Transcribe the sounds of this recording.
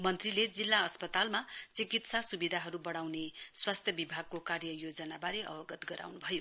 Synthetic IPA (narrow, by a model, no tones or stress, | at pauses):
mʌnt̪riled͡zilːaʌspʌt̪almat͡sikit̪sasubid̪ʱaɦʌɾubʌɽawneswast̪ʰjʌbibʱaɡ̚kokarjʌjod͡zʌnabaɾeʌ̰bʌɡʌt̪ɡʌɾa̰wnubʱʌjo